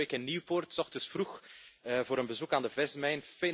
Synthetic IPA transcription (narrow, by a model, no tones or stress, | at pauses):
ekɛnːiwportsɔχxtəsfrux | voːɾənbəzukaːndəvɛsmɛjnfe